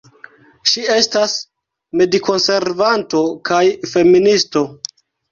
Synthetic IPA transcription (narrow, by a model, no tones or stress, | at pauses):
ʃie̞stas | mediko̞nse̞ɾvanto̞kajfe̞ministo̞